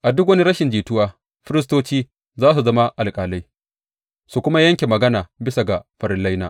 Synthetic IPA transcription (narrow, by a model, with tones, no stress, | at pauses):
ʔa˨dʊ˦k̬wɐ˦ni˦ɾɐ˦ʃɪ˨nd͡ʒiː˨tʊ˦waː˦ | ɸɪ˦ɾɪ˦s̬toː˦t͡ʃiː˦ | zaː˦s̬u˨zɐ˦ma˦ʔa˨lkʼaː˨la˦j | su˨kʷʊ˦ma˦jɐ˦ŋkʲe˨mɐ˨ɡɐ˦naː˨bɪ˦sa˨ɡa˨ɸɐ˨ɾɪ˦nlɐ˦jna̰ː˨